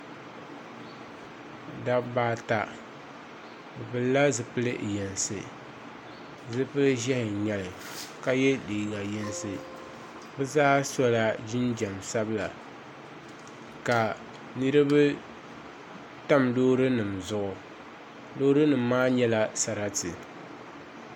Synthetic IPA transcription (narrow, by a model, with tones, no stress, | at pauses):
da˦baː˦ta˦ | bɨ˨bɨ˨lːa˦zɨ˨pɨ˦lɨ˦˨jɛ˨nsɨ˨ | zɨ˦pɨ˦lɨ˦ʒɛ˦hɪ˨ɲɛ˦lɨ˨ | ka˦jɛ˦diː˨ɡa˨jɛ˦nsɨ˨ | bɨ˦zaː˦sɔ˦la˦d͡ʒɪ˦nd͡ʒa˨msa˦bɨ˦la̰˨ | ka˨ | nɨ˦ɾɨ˦bɨ˦ | ta˦mdoː˦ɾɨ˦nɨ˨mzʊ˦ʔʊ˨ | doː˦ɾɨ˦nɨ˨m̩ː˦aː˦ɲɛ˦la˦sa˨ɾa˦tɨ˨